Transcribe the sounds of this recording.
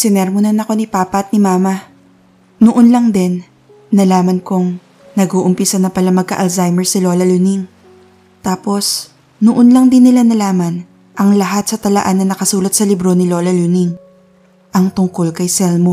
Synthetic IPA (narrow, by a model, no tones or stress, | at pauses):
sɪnɛɾmʊnɐnɐko̞nɪpaːpɐʔɐt̪̚nɪmaːmɐ | nʊʔonlɐŋd̪ɛnː | ɐlaːmɐnkoŋ | nɐɡoːʔʊmpɪsanɐpɐlamɐɡ̚kɐʔɐlzajmɛɹsɪlo̞ːlɐluniŋ | t̪aːpo̞s | nʊʔonlɐŋd̪ɪnːɪlanɐlaːmɐn | ʔɐŋlɐɦat̪̚sɐt̪ɐlɐʔanːɐnɐkɐsuːlɐt̪̚sɐlɪbɾo̞nɪlo̞lɐluniŋ | ʔɐŋt̪ʊŋko̞lkɐjsɛlmo